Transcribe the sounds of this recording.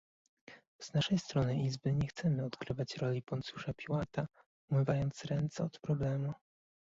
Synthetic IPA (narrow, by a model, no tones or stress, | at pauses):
z̥naʂɛjst̪ɾɔnɘʔizbɘɲɛxt̪sɛmɘɔt̪kɾɘvat͡ɕɾɔlʲipɔnt̪suʂapʲiwat̪a | umɘvajɔnt̪sɾɛnt̪sɛɔt̪pɾɔblɛmu